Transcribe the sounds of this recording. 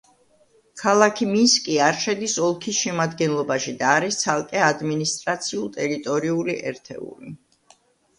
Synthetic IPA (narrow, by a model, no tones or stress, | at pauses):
kʰalˠakʰiminskʼiaɾʃɛd̪isɔlˠkʰisʃɛmad̪ɡɛnlˠɔbaʃid̪aːɾist̪sʰalˠkʼɛad̪minist̪ʼɾat̪sʰiulˠt̪ʼɛɾit̪ʼɔɾiuliʔɛɾt̪ʰɛ̰ṵli